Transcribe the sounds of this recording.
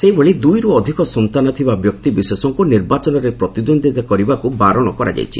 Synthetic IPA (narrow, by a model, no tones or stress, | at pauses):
seiboɭid̪ujɾuɔd̪ʱikɔsɔnt̪anɔt̪ʰibabjɔkt̪ibisesɔŋkuniɾbat͡ʃɔnɔɾepɾɔt̪id̪ond̪ʱit̪akɔɾibakubaɾɔɭ̃ɔkɔɾa̰d͡ʒa̰jt͡ʃʰḭ